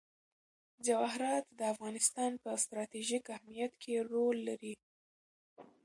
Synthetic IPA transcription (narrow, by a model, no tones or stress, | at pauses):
d͡ʒawɑɦɾɑt̪d̪əafɣɑnɪst̪ɑnpəst̪ɾɑt̪iʒikahmijat̪kʰeɾolːaɾi